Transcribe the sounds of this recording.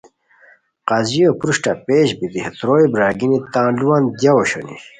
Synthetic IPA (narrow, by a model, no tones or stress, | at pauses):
qaːzijopɾuʂʈapeːɕbid̪ihet̪ɾoːjbɾaːɡinit̪ãːnluwand̪jawoɕo̰nḭ